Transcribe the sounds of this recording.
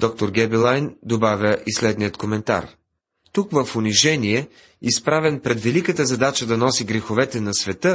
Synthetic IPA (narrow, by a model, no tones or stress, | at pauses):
d̪̥ɔk̚t̪oɾɡʲɛbilˠajnd̪obavʲəʔislɛd̪nijət̪komɛnt̪a̰ɾ | t̪ukvəfʊniʒɛniɛ | ispɾavɛnpɾɛd̪vɛlikət̪əzɐd̪at͡ʃəd̪ɐnɔsiɡɾɛxovɛt̪ɛnɐsvɛt̪ɤ